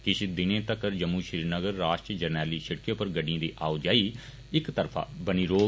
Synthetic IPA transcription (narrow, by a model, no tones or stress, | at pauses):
kɪʃd̪ɪnẽːt̪əkəɾd͡ʒəmːũːʃɾiːɾnəɡəɾːaːʃʈəd͡ʒəɾnɛːliːʃəʈkjõːpəɾɡəɖijãːd̪iːʔaːod͡ʒaːiː | ɪkt̪əɾpʰa̰ːbəniːɾoː